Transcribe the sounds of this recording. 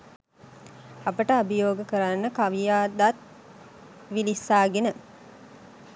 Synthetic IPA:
apəʈəabəjoːɡəkəɾanːəkaʋijaːd̪at̪̚ | ʋilisːaːɡenə

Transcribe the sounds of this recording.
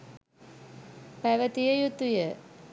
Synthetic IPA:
pæʋət̪ijəjut̪ːujə

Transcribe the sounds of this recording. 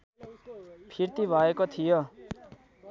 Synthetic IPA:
pʰiɾt̪ibʱʌekot̪ʰijo

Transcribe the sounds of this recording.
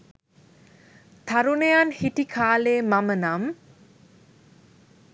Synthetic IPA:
t̪ʰaɾunejanhiʈikʰaːlemamənam

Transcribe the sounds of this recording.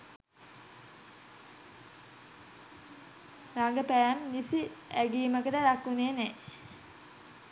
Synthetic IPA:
ɾaŋɡəpææmnisiæɡiːməkəd̪ədakːuneːne

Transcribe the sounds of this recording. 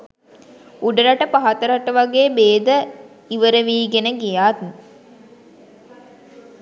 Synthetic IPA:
uɖəɾaʈəpaɦat̪əɾaʈəʋaɡeːbeːd̪ə | iʋəɾəʋiːɡenəɡijaːt̪

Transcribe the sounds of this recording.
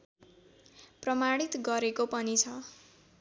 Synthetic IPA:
prʌmaɽ̃it̪ɡʌɾekopʌnit͡sʰʌ

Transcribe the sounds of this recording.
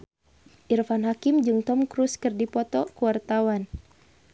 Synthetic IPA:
ʔirfanɦakimd͡ʒɨŋt̪ɔmkɾuskɨrdipɔt̪ɔkuwart̪awan

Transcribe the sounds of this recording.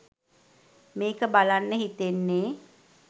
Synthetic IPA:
meːkəbalanːəɦit̪enːeː

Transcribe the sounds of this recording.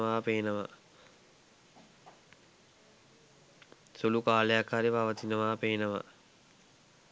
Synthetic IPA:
ʋaːpeːnəʋa̰ | sulukaːlejakhaɾipaʋət̪inəʋaːpeːnəʋa̰

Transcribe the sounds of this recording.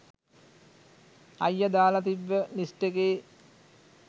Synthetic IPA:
ɐjːəd̪aːlat̪̬iʋːənisʈekeː

